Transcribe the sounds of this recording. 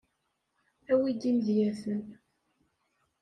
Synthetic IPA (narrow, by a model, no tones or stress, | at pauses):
æwid̪imdjæθən